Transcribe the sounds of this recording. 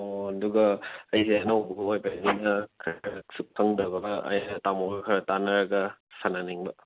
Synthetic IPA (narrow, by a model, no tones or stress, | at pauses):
oɐduɡɐːjseanɐobuɡɐojpajninɐkʰɐsuk̚pʰɐŋdɐɡɐbɐɐ̰jnɐtamɔɡɐkʰɐɾɐtanɐɾɐɡɐsananiŋbɐ